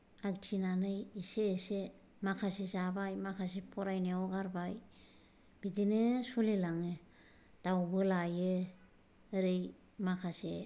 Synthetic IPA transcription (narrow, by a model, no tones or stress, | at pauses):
aɡt͡ʃinanejiseːse | makʰasizabajmakʰas̬ipʰoɾajneoɡaɾbaj | b̥idinesulilaŋe | d̥aubɯlajeː | ɾej | makʰase